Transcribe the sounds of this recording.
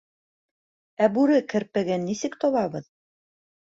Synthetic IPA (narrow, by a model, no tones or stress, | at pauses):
æbʉɾɘkɘ̆ɾpɘɡænːisɘkt̪oβɑβɤð